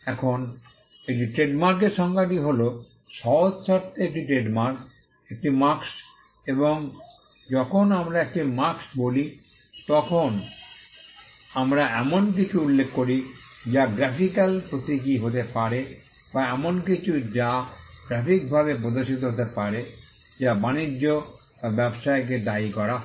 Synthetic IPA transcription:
ɛkʰon | ekʈiʈɾeɖmaɾk̬eɾʃɔŋɡaʈiɦolo | ʃɔɦod͡ʑsʰaɾt̪ʰːeek̚ʈiʈɾeɖmaɾk | ek̚ʈimaks | eboŋ | d͡ʑɔkʰonamɾaek̚ʈimaksboli | t̪ɔkʰon | amɾaɛmonk̬it͡ɕʰuulːekːoɾid͡ʑaɡɾɛpʰikalpɾot̪ik̬iɦot̪epaɾe | baɛmonkit͡ɕʰud͡ʑaɡɾɛpik̚bʱaβep̬ɾod̪oʃit̪̬oɦot̪epaɾe | d͡ʑabanid͡ʑːo | bɛbʃaek̬ed̪aikɔɾa

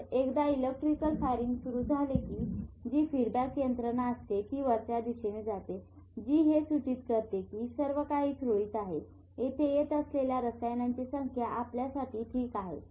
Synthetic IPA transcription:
ekd̪ailek̚ʈɾikəlfaɾiŋɡsuɾuːd͡zʱalekiːd͡ʑiːfiɾbakːjənt̪ɾənaəst̪ek̪iːʋəɾsad̪isened͡zat̪e | d͡ʑiːɦesut͡ɕit̪kəɾt̪ekiːsəɾʋəkaɦiːt̪ʰɾoiːt̪aɦe | et̪ʰejet̪əsleljaɾəsajnaɲt͡ɕisəŋkʰjaʔapljasaʈʰiːʈʰiːkaɦḛ

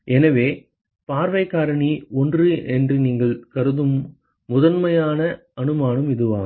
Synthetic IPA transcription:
ɛnɐʋeː | paːɾʋɐɪkːaːɾɐɳiɔndrɯʔɛndrɯniːŋɡɐɭkɐɾɯðɯmː | ʊðɐnmɐjaːnɐ | ɐnɯmaːnɯmɪðɯʋaː

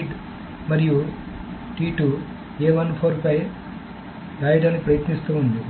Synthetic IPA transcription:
ɖ | mɐɾiju | ʈiːʈuː | eːʋɐnpʰoːɾpɐj | ɡɐjɖɐnːipɾɐjɐt̪nist̪uːund̪i

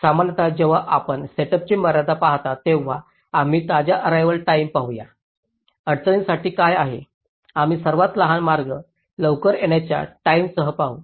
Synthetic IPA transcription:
samanjət̪ad͡ʑeʋ̤aʔapəɳseʈəp̚t͡ɕiməɾad̪apaɦt̪at̪eʋ̤a | am̤iːt̪ad͡ʑjaʔəɾajʋəlʈaimpaɦuja̰ | əɽt͡səɭinsaʈiːkajaɦe | am̤iːsəɾʋat̪ləɦanmaɾɡə | ləʋkəɾeɳjat͡ɕja̰ʈaimsəɦəpaɦu

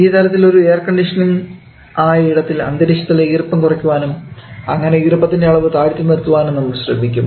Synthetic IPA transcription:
iːt̪ɐlɐt̪ːilo̞ɾue̞ːrkɐɳɖiʂɐnum | aːiɽɐt̪ːilɐ̰nd̪ɐɾiɕɐt̪ːilːeiːrpːɐmkurɐkʲːuʋaːnumɐŋːɐne̞iːrɨpːɐt̪ːindjaːɭɐʋɨt̪aːɽitʲːunːeɾut̪ːuʋaːnenːɐmuɭɕrɐ̰mikʲːum

